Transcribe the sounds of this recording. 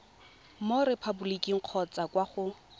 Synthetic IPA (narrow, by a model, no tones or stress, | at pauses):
moɾepʰabulikʼiŋ̩q͡χʰɔt͡sʼakwaχʊ